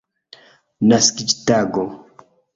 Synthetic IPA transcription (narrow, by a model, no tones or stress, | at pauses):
naskid͡ʒtaɡo